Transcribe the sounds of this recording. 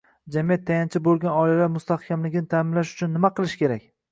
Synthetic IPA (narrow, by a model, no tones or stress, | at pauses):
d͡ʒamijat̪ʰːajant͡ʃʰɪbolˠɡʲanɒlalaɾmʊst̪ahkʲʰamlɪɡʲɪnɪt̪ʰaːmɪnlaʃʊt͡ʃʰʊnːɪmaqʰɨlˠɪʃkʲe̞ɾakʲ